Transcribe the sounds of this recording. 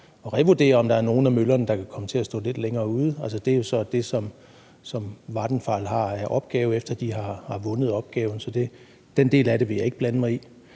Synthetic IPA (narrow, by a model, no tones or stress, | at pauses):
ɒ̽ʁɛʋod̥e̝̰ːɐɒ̽md̥ɑ̈æɐno̝ːn̩æmølɐnəd̥ɑ̈kʰækʰɒ̽mət͡sʰe̝æsd̥ɔ̰̽ːle̝d̥leŋɐːuːð̞ˠælsəd̥e̝æjo̝sɒ̽d̥e̝sɒ̽m | sɒ̽mʋɑ̈d̥n̩fɑ̈lɦɑ̈æʔɒ̽b̥ɡ̥ɛːʊefd̥ɐd̥iɦɑ̈hɑ̈ʋɔ̽nəð̞̩ˠɒ̽b̥ɡ̥ɛːʊn̩sɒ̽d̥e̝ | d̥ende̝̰ːlæɾe̝ʋe̝jɑ̈e̝ɡ̥̚b̥lænəmɑ̈ɪi